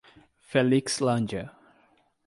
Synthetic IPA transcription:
fɛlikslãnd͡ʒə

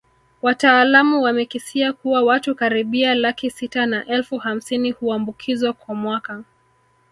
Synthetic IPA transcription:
wataːlamuwamɛkisiakuwawatukaɾiɓialakisitanaʔɛlfuham̩sinihuambukʰizwakwamwaka

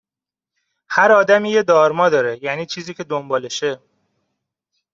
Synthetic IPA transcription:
hæɾɒːd̪æmiːje̞d̪ɒːɾmɒːd̪ɒːɾe̞jæːniːt͡ʃʰiːziːcʰe̞d̪ombɒːleʃe

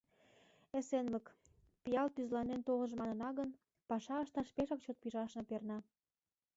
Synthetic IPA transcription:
esenlək | pijɑlt̪yzlɑnent̪olə̆ʒmɑnə̆nɑɣən | pɑʃɑəʃt̪ɑʃpeʃɑkt͡ɕot̪̚piʒɑʃnɤ̆pernɑ

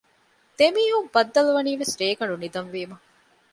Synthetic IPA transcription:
d̪̥emiːɦumbɐd̪ːɐluʋɐniːʋesɾeːɡɐɳɖunid̪ɐnʋiːmɐ

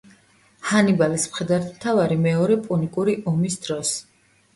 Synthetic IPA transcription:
hanibalismχɛd̪aɾt̪ʰmt̪ʰavaɾimɛɔɾɛpʼunikʼuɾiʔɔmisd̪ɾɔs

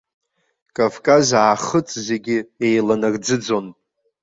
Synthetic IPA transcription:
kʼavkʼazaːχət͡sʼze̞ɡʲɪejlanard͡zɨd͡zo̞nʼ

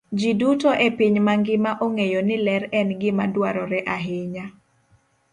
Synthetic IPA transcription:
d͡ʒidutɔʔepiɲmaŋɡɪmaʔoŋejonɪlɛɾɛnɡɪmadwaɾɔɾɛʔaɦɪɲa

